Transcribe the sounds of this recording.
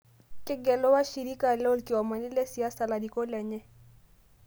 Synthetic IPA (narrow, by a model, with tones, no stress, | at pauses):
kɪ˦ɡɛ˨lɔ˦wa˦ʃi˨ɾi˦ka˨lo˦lkɪ˨ɔ˨ma˨nɪ˦lɛ˦si˨a˦sa˨la˨di˨ko˦lɛ˨ɲɛ˦